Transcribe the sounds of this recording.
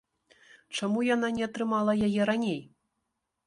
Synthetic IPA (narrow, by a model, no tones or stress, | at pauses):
t͡ʂamujananʲɛat̪ɾɨmalˠɐjajɛɾanʲej